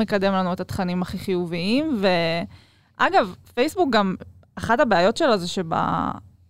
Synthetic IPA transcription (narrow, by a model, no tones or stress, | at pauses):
ekad̪e̞mlanuet̪at̪χanimaχiχijuviimve̞ | ʔaɡavfejsbuk̚ɡam | aχatabeajo̞tʃelazeʃeba̰